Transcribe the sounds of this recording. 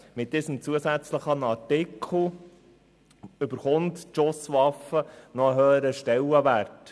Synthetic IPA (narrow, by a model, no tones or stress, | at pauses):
mɪt̚d̥iːsəmt͡suəsæt͡sləχənɑtɪkʰl̩ | ɵbəɾχʊntʃʊsʋɑfənɔəɦøːəɾəʃtɛlːəʋæɾt